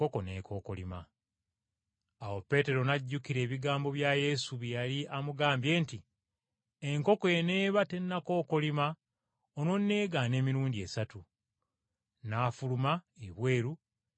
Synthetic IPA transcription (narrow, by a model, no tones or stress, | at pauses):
oko̞neːkʰo̞ːko̞lima̰ | awo̞pːe̞te̞ɾo̞naɟːukiɾe̞ːβiɡaːmbo̞βjaje̞suβijaliamuɡaːmbje̞ːnti | e̞ŋko̞koene̞ːβate̞nːako̞ːko̞lima | ono̞nːe̞ːɡane̞ːmiɾuːndie̞satu | naːfulumaeβwe̞ːɾu